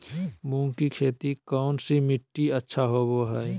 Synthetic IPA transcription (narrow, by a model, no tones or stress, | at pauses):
mũːkikʰeːt̪ikɔːnsimɪʈːiətːʃʰaɦoboɦɛ